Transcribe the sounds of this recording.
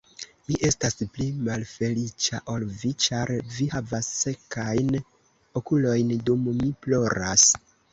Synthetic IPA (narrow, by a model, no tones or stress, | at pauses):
miʔe̞stasplimalfe̞lit͡ʃaʔolvit͡ʃaɾvihavasːe̞kajn | o̞kulo̞jndummiplo̞ɾas